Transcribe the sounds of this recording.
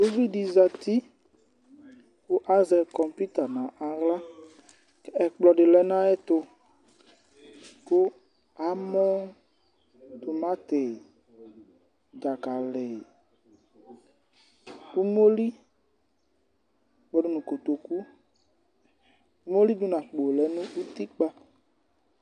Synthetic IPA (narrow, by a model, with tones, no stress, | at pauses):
do˦vi˦di˨za˨t̪i˦ | kʊ˦ʔa˦zɛ˨kɔ˨mpi˦t̪a˨nã˨ʔã˨ɣla˦ | kɛ˦ɛ˨k͡plɔ˨ɖɪ˨lɛ˦nã˦ɛ˦t̪ʊ˧ | kʊ˦ | a˨˦mɔ̃˦ | t̪ʊ˨mã˦t̪ɪ˨ | d͡ʒa˨ka˨lɪ˨ | ku˦mo˦li˦ | k͡pɔ˨dʊ˦nũ˨ko˨t̪o˨ku˦ | u˦mo˦li˦du˦nã˨k͡po˨lɛ˨˦nʊ̃˦u˦t̪i˦k͡pa˦